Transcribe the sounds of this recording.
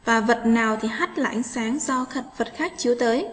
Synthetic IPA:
vaː˨˩və˨˩t̚naː˨˩wt̪ʰi˨˩ɦa˦˥t̚la̰ː˧˨ŋsaː˨˦ŋzɔ˧xə˨˩t̚və˨˩t̚xaː˦˥k̚t͡ɕi˨˦t̪əː˨˦j

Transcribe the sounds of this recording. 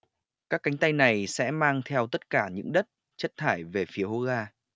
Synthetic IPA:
kaː˦˥kːa˨˦ŋ̟t̪a˧jna˨˩jsɛ̰˧˥maː˧ŋt̪ʰɛ˧wt̪ə˦˥t̚kaː˧˩ɲɨ̰˧˥ŋɗə˦˥t̚ | t͡ɕə˦˥t̚t̪ʰaː˧˩jve˨˩fi˨˦əho˧˦ɣaː˧

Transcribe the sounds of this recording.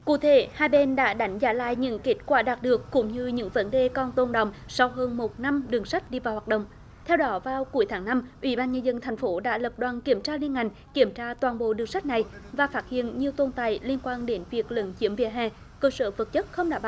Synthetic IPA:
kṵ˧˩t̪ʰe˧˩˦haː˧jɓe˧nɗa̰ː˧˥ɗa˨˦jŋ̟zaː˧˨˦la̰ː˧˨jɲɨ̰˧˥ŋke˦˥t̚kwaː˧˩ɗaː˨˩t̚ɗɨ˨˩əkːʊ̰˧˥ŋ͡mɲɨ˧ɲɨ̰˧˥ŋvə˨˦nɗe˨˩kɔ˧nt̪o˧˩nɗə̰˧˨wŋ͡msa˧wɦəː˧nmo˨˩t̚na˧mɗɨ˨˩əŋsa˦˥k̟̚ɗi˧vaː˨˩whwaː˨˩ɗə̰˧˨ŋ͡m | t̪ʰɛ˧wɗɔ˨˦vaː˨˩wku˨˩˦jt̪ʰaː˨˦ŋna˧mʔwi˧˦ɓaː˧nɲə˧nzə˧nt̪ʰa˨˩jŋ̟fo˨˦ɗa̰ː˧˥lə˨˩p̚ɗwaː˨˩nki˧˩əmt͡ɕaː˧li˧ənŋa˨˩jŋ̟ki˧˩əmt͡ɕaː˧t̪waː˨˩nɓo̰˧˨ɗɨ˨˩əŋsa˦˥k̟̚na˨˩jvaː˨˩faː˦˥t̚hḭ˧˨ənɲi˨˩əwt̪o˧nt̪a̰ː˧˨jli˧ənkwaː˧nɗe˨˦nvi˨˩ək̚lə̰˨˦nt͡ɕi˨˦əmvḭ˧˨əɦɛ̰˧˩ | kəː˧səː˧˦və˨˩t̚t͡ɕə˦˥t̚xə˧wŋ͡mɗa̰ː˧˥ɓa˧˨

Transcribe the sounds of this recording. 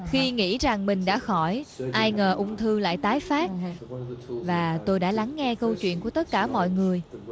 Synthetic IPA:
xi˧ŋḭ˧˥za˨˩ŋmï̟˨˩ɗa̰ː˧˥xɔ˧˩jʔaː˧jŋəː˨˩ʔʊ˧wŋ͡mt̪ʰɨ˧la̰ː˧˨jt̪aː˨˦jfaː˦˥t̚ | vaː˨˩t̪o˧jɗa̰ː˧˥la˨˦ŋːɛ˧kə˧wt͡ɕwḭ˧˨ənku˧˩ət̪ə˦˥t̚kaː˧˩mɔ̰˧˨jŋɨ˨˩əj

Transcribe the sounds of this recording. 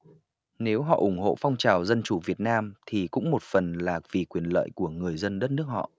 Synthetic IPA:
ne˨˦wɦɔ̰˧˨ʔʊ˧˩ŋ͡mɦo̰˧˨fɔ˧wŋ͡mt͡ɕaː˨˩wzə˧nt͡ɕu˧˩vi˨˩ət̚naː˧mt̪ʰi˨˩kʊ̰˧˥ŋ͡mmo˨˩t̚fə˨˩nlaː˨˩kvi˨˩kwi˨˩ənlə̰ː˧˨jku˧˩əŋɨ˨˩əjzə˧nɗə˦˥t̚nɨ˦˥ək̚hɔ̰˧˨

